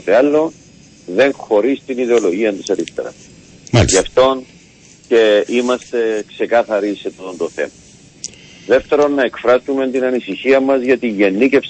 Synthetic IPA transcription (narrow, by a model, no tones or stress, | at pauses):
t̪eɐlːo̞ | ðe̞ŋxo̞ɾist̪iniðeo̞loʝiɐnt̪isɐɾist̪ḛɾɐ̰s | ɐft̪o̞n | ce̞imɐst̪e̞kse̞kɐθɐɾisːe̞t̪ot̪ond̪oθḛmɐ | ðe̞ft̪e̞ɾo̞nːɐe̞kfɾɐsument̪inɐnisiçiɐmːɐzʝɐt̪iʝe̞nːice̞fs